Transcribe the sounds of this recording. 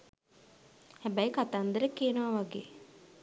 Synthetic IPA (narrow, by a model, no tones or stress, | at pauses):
hæbæjkat̪aːnd̪əɾəkiːnəʋaʋaɡeː